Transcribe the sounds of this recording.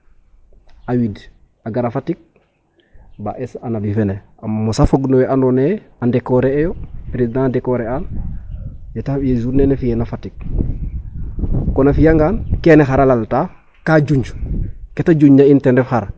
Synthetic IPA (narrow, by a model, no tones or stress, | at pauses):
awid | aɡaɾafatik̚ | baʔesanabifene | ammːosafoɡnowɛʔanɔne | andɛkɔɾeejopɾezidãdɛkɔɾean | jatajezunenefijenafatik̚ | kɔnafijaŋɡaːnkɛnexaɾalalta | kaɟuɲd͡ʒuketaɟuɲːaintɛndɛfxaɾ